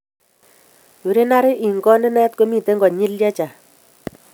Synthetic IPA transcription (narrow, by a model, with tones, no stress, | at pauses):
wu˨ɾe˦na˦ɾɪ˦ʔi˨ŋɡɔ˦nɪ˦nɛ˦t̚ko˦mi˨te˦ŋɡɔ˨ɲi˦ljɛ˦t͡ʃa˨